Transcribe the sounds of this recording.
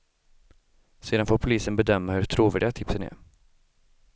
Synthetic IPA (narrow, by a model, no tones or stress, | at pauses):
seːd̪anfoːɾpʰʊliːsənbɛd̪œmːahɵʈʰɾuːvæːɖɪɡat̪ʰɪpsənæ̰ɾ